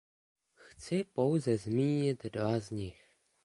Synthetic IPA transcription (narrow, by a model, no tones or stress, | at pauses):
xt͡sɪpo̞wzɛzmiːɲɪt̪dvazɲɪx